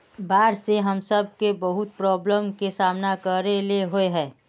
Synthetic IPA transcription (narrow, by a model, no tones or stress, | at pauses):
baːɾseɦɐmsəb̚kebɐɦʊt̪̚pɾɔːbləmkesaːmnakəɾeleɦoeɦɛ̃ː